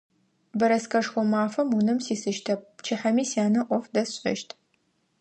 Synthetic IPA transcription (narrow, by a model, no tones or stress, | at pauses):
bɐɾɐskʰɐʂxʷɔmaːfɐmunɨmsiːsɨʃtʰɐp̚t͡ʃʰɪħɐmiːsjaːnɐʔʷɔfdɐsɕʼɐ̰ʃtʰ